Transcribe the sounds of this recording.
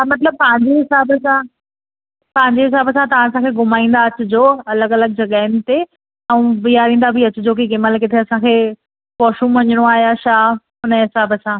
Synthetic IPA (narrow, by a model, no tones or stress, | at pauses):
amɐt̪ləb̚pɐ̃ɦɪ̃ɲd͡ʑeɦɪsaːbəsã | pɐ̃ɦɪ̃ɲd͡ʑeɦɪs̬aːbəsãt̪ɐʋ̤ãːɐsãkʰeɡʊmaːĩːn̆d̪aɐt͡ɕʊd͡ʑoːɐləɡɐləɡ̚d͡ʑɐɠaːɪnɪ̆t̪e | ɛ̃ũbijaːɾĩːn̆d̪abʱiɐt͡ɕʊ̆d͡ʑoːk̬ikɪməlk̬ɪt̪ʰeɐsãkʰeː | pɔːʃũmʋɐɲəɽ̃oaːɦijaʃaː | ɦʊnəɦɪsaːbəsãː